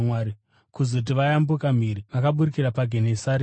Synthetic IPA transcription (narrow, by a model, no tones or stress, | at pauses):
waɾi | kuzot̬iʋajambukam̤iɾiʋakaɓuɾikiɾapaɡʱenesaɾe